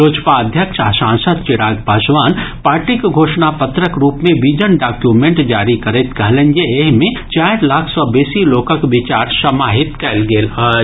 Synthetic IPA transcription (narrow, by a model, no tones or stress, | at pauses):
oːd͡ʒpaəd̪ʱjəkʃasãːnsəd̪̚t͡ʃɪɽaːɡpaʃʋaːnpaːɾʈɪkɡʱoːʃnapət̪ɾəkɾuːpmẽbid͡ʒənɖaːkjumẽɳʈd͡ʒaːɾikəɾet̪kɐɦlend͡ʒeeɦmẽt͡ʃaːjɾlaːkʰsɔːbeːsiloːkəkʋɪt͡ʃaːɾsɐmaːɦɪt̪kɛlɡeːla